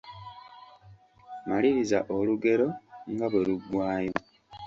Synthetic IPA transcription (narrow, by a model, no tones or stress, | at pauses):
maliɾizaʔo̞luɡe̞ɾo̞ŋɡaβweluɡwaːje